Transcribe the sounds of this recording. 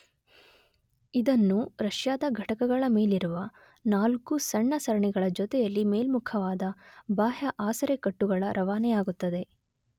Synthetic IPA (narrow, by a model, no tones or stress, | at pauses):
id̪ɐnːuɾɐʂjaːd̪ɐɡʱɐʈɐkɐɡɐɭɐme̞ːliɾuʋɐ | naːlkusɐɳːɐsɐɾɐɳɛɡɐɭɐd͡ʒɔt̪ɛjɐlːimeːlmukʰɐʋaːd̪ɐbaːɦɐʔaːsɐɾekɐʈːuɡɐɭɐɾʔɐʋaːnɛjaːɡut̪ːɐd̪e̞